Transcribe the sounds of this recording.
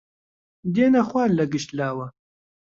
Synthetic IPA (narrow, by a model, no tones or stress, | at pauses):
d̪eːnɐxwaːllːɐɡɨʃt̪laːwɐ